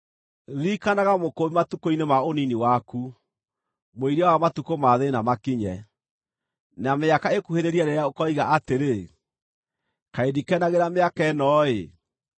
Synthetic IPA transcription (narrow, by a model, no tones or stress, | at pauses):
ðikanaɣamokomimatukoinemaoniniwaku | moiɾawamatukomaðenamakiɲɛ | nameakaekuheɾeɾiɛɾeɾaokɔiɣaʔateɾe | kaedikɛnaɣeɾameakɛnɔe